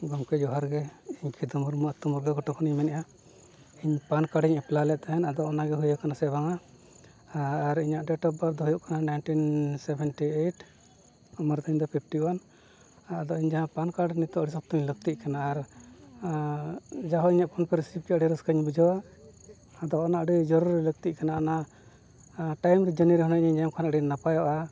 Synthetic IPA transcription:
ɡɔmkɛd͡ʒɔɦaɾɡɛiɲkʰid̪ɔmuɾmaʔt̪umuɾɡaɡɔʈɔkʰɔniɲmɛnɛʔa | iɲpankaɽiɲɛplalɛʔt̪ɛɦɛnad̪ɔʔɔnaɡɛɦujakanasɛbaŋa | ɾiɲaʔɖɛʈɔp̚baɾd̪ɔɦujuʔkananajnʈinsɛbɛnʈieʈ | ɔmaɾd̪ɔiɲd̪ɔpʰipʰʈiwanː | d̪ɔʔiɲd͡ʒaɦãpankaɖɛnit̪ɔʔɽisɔp̚t̪ɔɲləɡ̚t̪iʔkanaːɾ | d͡ʒaɦɔiɲaʔpʰɔnpɛɾisip̚kɛʔɖiɾəskəɲbud͡ʒɔwaː | d̪ɔʔɔnaʔɖid͡ʒɔɾuɾɛləɡt̪iʔ̚kanaːna | ʈajmɾɛd͡ʒəniɾɛɦɔñɛɲiɲd͡ʒajamkʰanaʔɖinːapajɔʔa

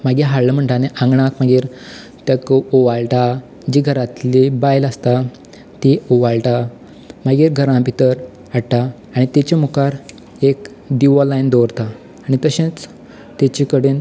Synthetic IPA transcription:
maɡiɦaɽləm̤əɳʈ̪aneʔãŋɡɳakmaɡiːɾ | t̪jakoʋalʈa | d͡ʑiɡʱəɾat̪libajləst̪a | t̪ioʋalʈa | maɡiːɾɡʱəɾãbit̪əɾ | aɽʈaː | ɽ̃it̪et͡ɕemukaɾ | ek | d̪iʋɔlajnd̪oɾt̪aː | ɽ̃it̪əɕẽt͡s | t̪et͡ɕikəɽen

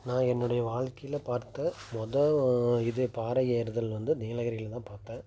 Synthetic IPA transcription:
nãːɛnːɯɽɐjɐʋaːɭkɐjɪlɐpaːɾt̪ːɐmɔðɐɪðɯpaːɾɐjeːɾɯðɐlʋɐnd̪ɯniːlɐɣɐɾɪjɪlt̪ãːpaːɾt̪ẽː

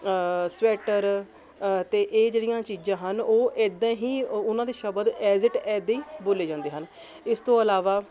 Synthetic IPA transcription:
sʋɛːʈəɾ | t̪eːʔeːd͡ʒeːɽijãːt͡ʃiːd͡ʒãːɦənoːʔeːd̪ãːɦiːʊnãːd̪eːʃəbəd̪ɛːzɪʈɛːd̪eiːboːleːd͡ʒãːnd̪eːɦən | ɪst̪õːəlaːʋaː

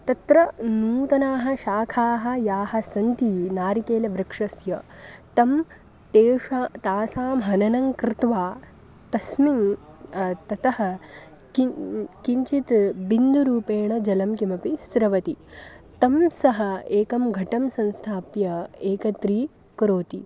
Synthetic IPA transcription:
t̪ɐt̪ɾɐnuːt̪ɐnaːɦɐ̆ʃaːkʰaːɦɐ̆jaːɦɐ̆sɐnt̪iːnaːɾikeːlɐʋɾɐkʂɐsjɐt̪ɐm | t̪eːʂaːt̪aːsaːmɦɐnɐnɐŋkɾɪt̪ʋaː | t̪ɐsmiŋ | t̪ɐt̪ɐɦɐ | kiɲt͡ʃit̪bind̪uɾuːpeːɳɐd͡ʒɐlɐmkimɐpisɾɐʋɐt̪i | t̪ɐmsɐɦɐeːkɐmɡʱɐʈɐmsɐ̃nst̪ʰaːpjɐeːkɐt̪ɾiː | kɾoːt̪ḭ

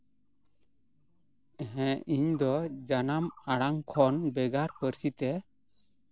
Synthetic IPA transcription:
ɛɦɛ̃iɲd̪ɔd͡ʒanamaɽaŋkʰɔnbɛɡaɾpəɾsit̪ɛ

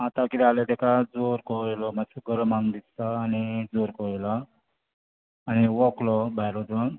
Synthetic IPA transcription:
at̪akiɾalet̪ɛkad͡zoɾkɔlɔmauɡʱəɾəmãŋd̪ittaːnid͡zoɾkɔla | ñiʋɔklɔbajɾɔt̪

